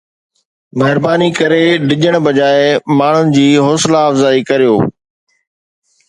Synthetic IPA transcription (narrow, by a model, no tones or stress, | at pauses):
mɛɦɪɾbaːnikɐɾeɖɪʄəɽ̃bɐd͡ʑaːɪmaːɳ̤ʊnɪ̆d͡ʑiːɦoːslaːfzaːikɐɾijoː